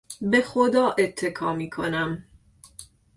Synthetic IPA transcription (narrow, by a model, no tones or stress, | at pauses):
be̞xod̪ɒːʔet̪ʰːe̞kʰɒːmiːkʰo̞næm